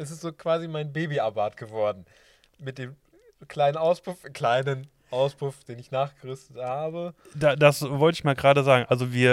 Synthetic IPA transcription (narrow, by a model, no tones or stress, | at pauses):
ʔɛs̬ɪstz̥oːkv̥aːzimaɪnbeːbiʔabaːtɡ̥əvɔɐdn̩ | mɪt̚d̥eːm | kʰl̥aɪnənʔaʊspʊfkl̥aɪnən | ʔaʊspʊfd̥eːnɪçnaːχɡ̥əʁʏstəthaːbə | dadasvɔltəɪçmaːlɡəʁaːdəzaːɡŋ̩ʔalzoviːɐ